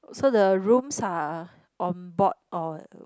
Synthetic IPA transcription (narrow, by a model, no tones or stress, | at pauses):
sodəɹũmsa | ʔɔ̃nbɔt̚ɔ